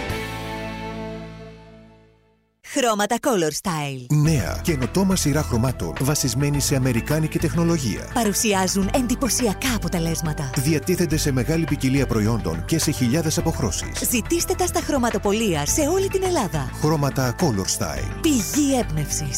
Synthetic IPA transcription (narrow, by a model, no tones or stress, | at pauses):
xɾo̞mɐt̪ɐko̞lo̞ɾst̪ɐjlne̞ɐ̰ceno̞t̪o̞mɐsiɾɐxɾo̞mɐt̪o̞̰nvɐsizme̞nise̞ɐme̞ɾikɐnice̞t̪e̞xno̞lo̞ʝḭɐ̰pɐɾusiɐzune̞nd̪ipo̞siɐkɐːpo̞t̪e̞le̞zmɐt̪ɐðiɐt̪iθe̞nd̪e̞se̞me̞ɣɐlipiciliɐpɾo̞io̞nd̪o̞̰nce̞se̞çiʎɐðe̞sɐpo̞xɾo̞sḭszit̪ist̪e̞t̪ɐst̪ɐxɾo̞mɐt̪o̞po̞liɐse̞o̞lit̪ine̞lɐðɐxɾo̞mɐt̪ɐko̞lo̞ɾst̪ɐ̰ḭlpiʝie̞bne̞fsis